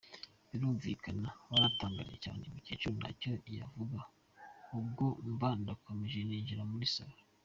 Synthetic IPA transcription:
βiɾuːɱvḭːkʰanaβaɾataːŋɡa̰ɾijeca̰ːnemucet͡ʃuna̰co̞ija̰vuɡa | ub̚ɡombandakomeʒeniːɲɟiɾamuɾisaβaa

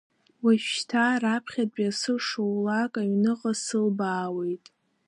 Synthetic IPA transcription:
waʃtʰaɾapʰχʲadbʼasɨʂowlakʼaɥnɨqʼasɨlbaːwe̞jtʼ

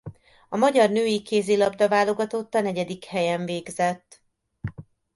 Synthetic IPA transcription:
ɒmɒɟɒrnøːjikeːzilɒbd̪ɒvaːlo̞ɡɒt̪ot̪ːɒnɛɟɛd̪ikhɛjɛɱveːɡzɛt̪ː

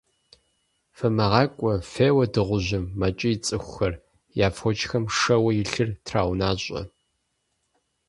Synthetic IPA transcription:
fɐmɐʁɑːkʷʼɔfeːwɐdɨʁʷʊʑɪmːɐt͡ʃʼɪjit͡sʼɨxʷʊxɐr | jaːfʷɔt͡ʃʼxɐmʂɐwɐjɪɬɨrtʰraːwnaːɕʼɐ̰

